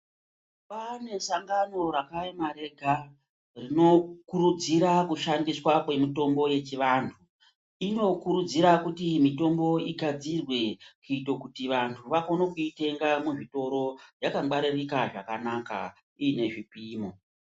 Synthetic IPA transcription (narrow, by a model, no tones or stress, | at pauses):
pane̞saŋɡano̞ɾakaemaɾe̞ɡʱa | rino̞kuɾud͡ziɾakuʃandiswakwe̞mito̞mbo̞je̞t͡ʃiʋantʰu | ino̞kuɾud͡ziɾakutimito̞mbo̞iɡʱad͡zirwe̞kiito̞kutiʋantʰuʋako̞nokuite̞ŋɡamuʐito̞ɾo̞jakaɡ͡baɾirikaʐakanaka̰ | iːne̞ʐipiːmo̞